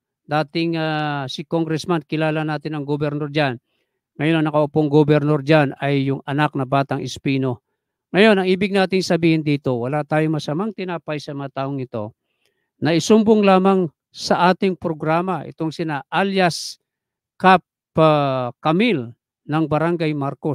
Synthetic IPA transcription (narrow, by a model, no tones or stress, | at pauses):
d̪aːt̪ɪŋasɪkoŋɡɾɛsmankɪlaːlɐnaːt̪ɪnɐŋɡobɛɾnoɾd͡ʒan | ŋɐjo̞nɐŋnɐkɐʔʊpoŋɡobɛɾnoɾd͡ʒanɐjːʊŋɐnak̚nɐbaːt̪ɐŋʔɪspiːno̞ | ŋɐjo̞nɐŋʔiːbɪɡ̚naːt̪ɪŋsɐbiːhɪnd̪iːt̪o̞wɐlat̪aːjoŋmɐsɐmaŋt̪ɪnaːpɐjsɐmɐŋat̪aːʔoŋnɪt̪o̞̰ | nɐɪsʊmboŋlaːmaŋ | sɐʔaːt̪ɪŋpɾoɡɾaːmaʔɪ̰t̪o̞ŋsɪnaʔaljas | kap | kɐmil | nɐŋbɐɾaŋɡajmaɾko̞s